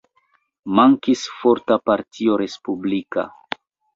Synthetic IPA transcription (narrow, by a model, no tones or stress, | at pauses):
maŋkisfoɾtapaɾtʰioɾe̞spublika̰